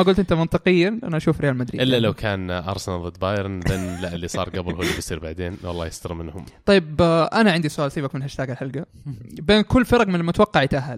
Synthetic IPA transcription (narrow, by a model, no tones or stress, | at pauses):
maɡʊlt̪ʔɪnt̪amɑnt̪ˤɨqɪjːaʔa̰naʔaʃuːfɾɪjaːlmad̪ɾḭːʔɪlːalawkʰaːnʔɑ̰ɾˤsanðˤɨd̪baːjɾˤnðenlaʔɪlːisˤɑ̰ːɾˤɡabɾhuːlːibjsˤiːɾbaʕd̪eːnwɑ̰lˤːɑːjɪst̪ɑɾmɪnhʊmt̪ɑjːɪbʔanaʕɪnd̪isʊʔaːlsiːbakmɪnhaʃt̪aːɡalħalɡa | beːnkʊlːfɑɾˤɑqmɪnɪlmʊt̪wɑqːɑʕit̪aɦal